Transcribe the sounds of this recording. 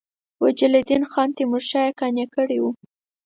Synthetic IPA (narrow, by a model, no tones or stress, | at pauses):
wad͡ʒɪled̪inxɑnt̪emuɾʃɑjakɑnjakəɽiwu